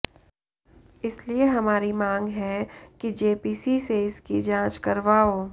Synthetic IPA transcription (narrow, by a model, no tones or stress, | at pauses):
ɪslieɦɐmaːɾimãːŋɡɦɛkid͡ʒeːpiːsiseɪskid͡ʒãːt͡ʃkɐɾʋaːoː